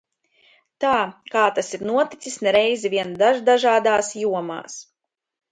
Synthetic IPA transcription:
t̪aːkaːt̪asiɾnuɔt̪i̥t̪sisnɛɾɛjzɛviɛnd̪aʒd̪aʒaːd̪aːsjuɔma̰ːs

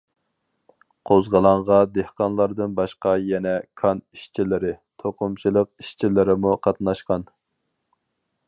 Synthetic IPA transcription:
qʰozʁəlˠɑɴʁɑd̪ehqɑnlˠɑɾd̪ɨnbɑʃqɑjɛnɛkʰɑniʃt͡ʃʰilɪɾɪt̪ʰoqʊmt͡ʃʰilˠəq̚i̥ʃt͡ʃʰilɪɾɪmuqʰɑt̪nɑʃqɑn

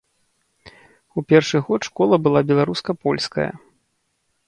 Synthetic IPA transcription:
upʲɛrʂɨɣɔtʂkɔlˠɐbɨlˠabʲɛlˠaɾuskɐpɔlʲskɐ̰jɐ̰

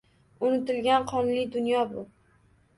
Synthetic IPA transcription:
ʊnɪt̪ɪlɡʲanqʰɒnlɪd̪ʊnjɒbʊ

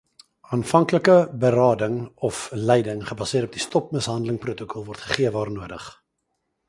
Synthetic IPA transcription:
ɑːnfɐŋkləkəbəɾɑːdəŋɔflɛjdəŋχəbɑsiəɾɔpdistɔp̚məsɦɐndələŋprutəkʰɔlˠvɔrtχə̥χiəvɑːrnuədə̰χ

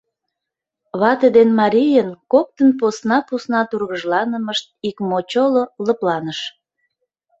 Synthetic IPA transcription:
βɑt̪ed̪enmɑɾʲijənkok̚t̪ənposnɑposnɑt̪urɣəʒlɑnəməʃt̪̚ikmot͡ɕololə̆plɑnəʃ

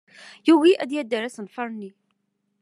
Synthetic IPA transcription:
juɣiʔæd̪jæd̪ːəɾæsənfɑɾˤni

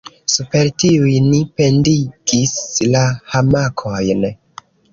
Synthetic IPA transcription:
supe̞ɾtiujnipe̞ndiɡislahamakʰojn

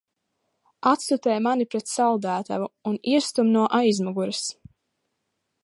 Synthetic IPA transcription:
at̪sut̪ɛjmanipɾɛt̪sald̪æːt̪a̰vuuniɛst̪umnuɔʔajzmɔɡuɾas

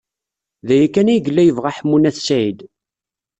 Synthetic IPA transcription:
ðæjækːænæjəɡəlːæjəvʁaħmːunæθsʕid̪

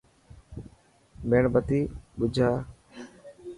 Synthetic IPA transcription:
meːɳbət̪iːɓʊd͡ʒʱaː

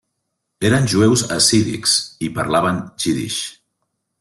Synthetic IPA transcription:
eɾənʲʒuewzəsiðḭksipəɾlaβənt͡ʃiðḭʃ

